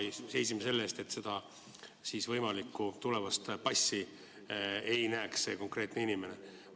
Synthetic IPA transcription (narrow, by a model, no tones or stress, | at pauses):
se̞jsimese̞lːeːst̪e̞t̪se̞d̪̥ɑ | siːsvɤjmɑlikːut̪ule̞vɑst̪pɑsʲːi | ejnæːksse̞ko̞ŋkre̞ːt̪neinime̞ne̞